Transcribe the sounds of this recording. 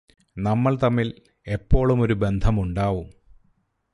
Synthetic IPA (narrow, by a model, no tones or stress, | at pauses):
nɐmːɐɭt̪ɐmːil | e̞pːo̞ːɭumo̞ɾube̞nd̪ʱɐmuɳɖaːʋum